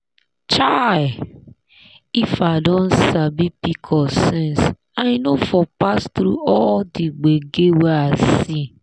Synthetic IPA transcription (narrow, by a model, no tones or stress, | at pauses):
t͡ʃaj | ifadɔ̃n̩sabipikʰɔsɛ̃ns | aɪnofɔpast̪ɾuʔɔldiɡ͡beɡeweasi